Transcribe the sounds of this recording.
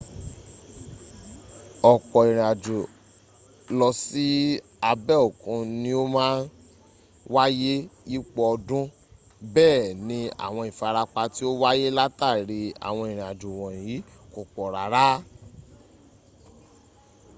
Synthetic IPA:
ɔ˨k͡pɔ˨i˨ɾ̃ĩ˨a˨d͡ʒu˨ | lɔ˧si˨˦ | a˧bɛ˦o˨kũ˧nĩ˧˦o˦mãː˦n | wa˦je˦i˦k͡pɔ˧ɔ˧dũ˦ | bɛː˦˨nĩ˧a̰˨w̃ɔ̃˧i˨fa˧ɾa˧k͡pa˧ti˦o˦wa˦je˦la˦ta˦˨ɾi˧a̰˨w̃ɔ̃˧i˨ɾ̃ĩ˨a˨d͡ʒu˨wɔ̃˨ji˨˦ | ko˨k͡pɔ˨ɾa˨˦ɾa˦

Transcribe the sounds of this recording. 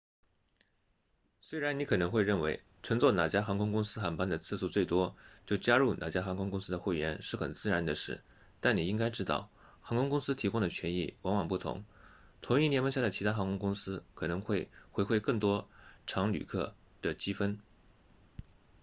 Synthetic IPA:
swe˥ɪɻa˧˥ni˧˥kʰɤ˨˩nɤ˧˥ŋxwe˥˧ɪɻə˥˩nwe˧˥ɪ | ʈ͡ʂʰɤ˧˥ŋt͡swɔ˥˩na˨˩t͡ɕja˥xɑ˧˥ŋkʰʊ˥ŋkʊ˥ŋsɹ̩˥xa˧˥npa˥nd̪ə˨t͡sʰɹ̩˥˧su˥˧t͡swe˥˩ɪt̪wɔ˥t͡ɕjo˥˩ʊt͡ɕja˥ɻu˥˩na̰˨˩t͡ɕja˥xɑ˧˥ŋkʰʊ˥ŋkʊ˥ŋs̩˥d̪ə˨xwe˥˩ɥɛ˧˥nʂɻ̩˥˩xə̰˨˩nt͡sɹ̩˥˩ɻa˧˥nd̪ə˧ʂɻ̩˥˩ | t̪a˥˩ni˨˩i˥ŋka˥ɪʈ͡ʂɻ̩˥t̪ɑ̰˥˩ʊ | xɑ˧˥ŋkʰʊ˥ŋkʊ˥ŋsɹ̩˥t̪ʰi˧˥kʊ˥ŋd̪ə˨˩t͡ɕʰɥɛ˧˥nḭ˥˩wɑ˧˥ŋwɑ˨˩ŋpu˥˩t̪ʰʊ̰˧˥ŋt̪ʰʊ˧˥ŋi˥˩njɛ˧˥nmə˧˥ŋɕja˥˩d̪ə˩t͡ɕʰi˧˥t̪ʰa˥xɑ˧˥ŋkʰʊ˥ŋkʊ˥ŋsɹ̩˥kʰɤ˨˩nɤ˧˥ŋxwe˥˩ɪxwe˧˥ɪxwe˥˧ɪkɤ˥˩ŋt̪wɔ˥ʈ͡ʂʰɑ˧˥ŋly̰˨˩kʰɤ̰˥˩ | d̪̥ə˩t͡ɕi˥fə˥n

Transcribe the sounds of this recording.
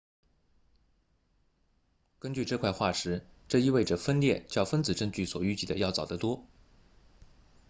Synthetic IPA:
kə˥nt͡ɕy˥˧ʈ͡ʂɤ˥˧kʰwa˥˧ɪxwa˥˩ʂɻ̩˧˥ʈ͡ʂɤ˥˧i˥˧we˥˩ɪʈ͡ʂə˩fə˥nljɛ˥˩nt͡ɕjɑ˥˩ʊfə˥nt͡sɹ̩˨˩ʈ͡ʂɤ˥˧ŋt͡ɕy˥˩swɔ˨˩y˥˧t͡ɕi˥˩d̪ə˩jɑ˥˩ʊt͡sɑ˨˩ʊd̪ə˦t̪wɔ˥

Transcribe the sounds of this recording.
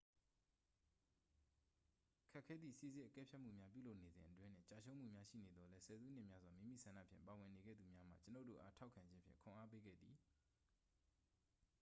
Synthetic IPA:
kʰɛ˦ʔkʰːɛ˦d̪ðḭ˦˨si˦˨zɪ̃˦ʔəkɛ̰˦˨pʰja˦ʔm̥ṵ˦˨mja˦p̬jṵ˦˨lo˦ʊʔne˨zɪ̃˨ʔətwɪ̃˦n̥ɪ̰̃˦˨t͡ɕa˦˨ʃʰo˦ʊ̃m̥ṵ˦˨mja˦ʃḭ˦˨ne˨d̪ðɔ˨lɛ˦sɛ˨zu˦n̥ɪ̰̃˦ʔmja˦zwa˨mĩ˦mḭ˦˨sʰã˨nä̰˦˨pʰjɪ̰̃˦˨mpa˨wɪ̃˨ne˨ɡɛ̰˦˨d̪u˨mja˦m̥ä̰˦˨t͡ɕə˦no˦˨to̰˦˨ʔa˦tʰa˦ʊkʰã˨ɲd͡ʑɪ̃˦mpʰjɪ̰̃˦˨kʰʊ̃˨ʔa˦pe˦ɡɛ̰˦˨d̪i˨

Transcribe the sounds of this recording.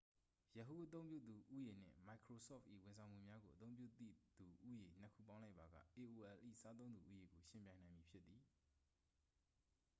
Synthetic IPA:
jə˨ɦu˦˨ʔə˦t̪̬õ˦ʊ̃mpjṵ˦˨d̪u˨ʔu˦je˨n̥ɪ̰̃˦˨ma˨ɪkʰɹo˨sɔ̰˦˨fʔḭ˦˨wɪ̃˨nsʰã˨ʊ̃m̥˦ṵ˦˨mja˦ɡo˨ʔət̪õ˦ʊ̃mpjṵ˦˨t̪ḭ˦˨d̪u˨ʔu˦je˨n̥ə˦kʰṵ˦˨pã˦ʊ̃la˦ɪpːa˨ɡa̰˦˨ʔe˨ʔo˨ʔɛ˨lʔḭ˦˨sa˦t̪̬õ˦ʊ̃nd̪u˨ʔu˦je˨ɡo˨ʃɪ̃˨mpjã˨nã˨ɪ̃mji˨pʰjɪ˦t̪ːði˨

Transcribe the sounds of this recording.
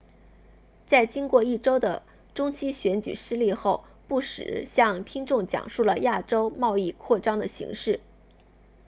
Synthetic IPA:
t͡sa˥˩ɪt͡ɕi˥nkwɔ˥˧i˥˩ʈ͡ʂo˥ʊd̪ə̰˨ | ʈ͡ʂʊ˥ŋt͡ɕʰi˥ɕɥɛ˧˥nt͡ɕy̰˨˩ʂɻ̩˥li˥˧xo˥˩˧ʊ | pu˥˩ʂɻ̩̰˨˩˦ɕjɑ˥˧ŋt̪ʰi˥ŋʈ͡ʂʊ˥˩ŋt͡ɕjɑ̰˨˩ŋʂu˥˩lə˩ja˥˩ʈ͡ʂo˥ʊmɑ˥˧ʊi˥˧kʰwɔ˥˩ʈ͡ʂɑ˥ŋd̪ə˨ɕḭ˧˥ŋʂɻ̩˥˩

